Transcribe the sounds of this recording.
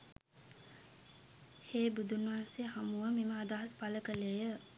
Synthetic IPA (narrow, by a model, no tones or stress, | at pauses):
heːbud̪unːʋɦanseɦamuʋəmiməːd̪aɦɐspaləkəlejə